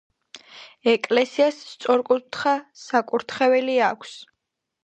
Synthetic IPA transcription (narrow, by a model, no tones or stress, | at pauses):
ɛkʼlɛsiasːt̪sʼɔɾkʼut̪ʰχasakʼuɾt̪ʰχɛvɛliakʰs